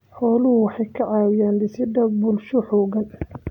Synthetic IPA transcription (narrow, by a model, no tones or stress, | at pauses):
ħɔːlʊhʊwɑħɑjkʰɐʕɑːwɪjaːndɪsɪd̪ɐbʊlʃʊħɔːɣɐn